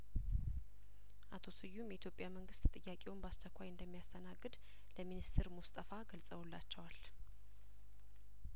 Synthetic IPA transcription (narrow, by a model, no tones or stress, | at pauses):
ʔat̪ʰo̞sɨjːumjɛit̪jo̞pʼjaməŋɡɨst̪ʼt̪ʼɨjːakʼewumbast͡ʃːɛkʷʰːajɨnd̪əmːijast̪ʰənaɡːɨd̪ | ləminist̪ʰɨɾmust̪ʼəfaɡəlsʼəwlːat͡ʃːɛwal